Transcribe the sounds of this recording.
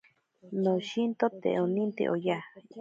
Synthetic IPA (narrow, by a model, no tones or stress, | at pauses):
noʃint̪ot̪ḛonĩnt̪ḛʔoja